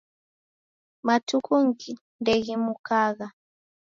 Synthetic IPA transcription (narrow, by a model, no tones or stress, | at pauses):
matukuŋɡi | ndɛɣimukaɣa